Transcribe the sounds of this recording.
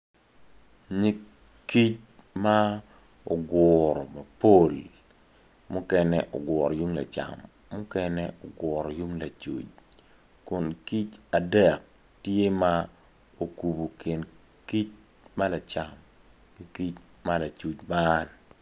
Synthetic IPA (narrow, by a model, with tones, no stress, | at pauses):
ɲi˦ | ki˦t͡ʃ | ma˦ | o˨ɡwɔ˨ɾɔ˨ma˨po˦l | mʊ˦kɛ˦nɛ˦˨ʔo̰˨ɡwɔ˨ɾɔ˨ju˦ŋla̰˨t͡ʃa̰˨mː | ʊ˦kɛ˦nɛo˨ɡwɔ˨ɾɔ˨ju˦ŋla˨t͡ʃṵ˨t͡ʃ | kʊ˨nki˦t͡ʃa˨dɛ˨k̚ | tje˦ma˦ | o˨ku˨bo˨kɪ˨n | ki˦t͡ʃ̚ | ma˦la˨t͡ʃa˨m | ki˦ki˦t͡ʃ | ma˦la˨t͡ʃu˨t͡ʃma˦n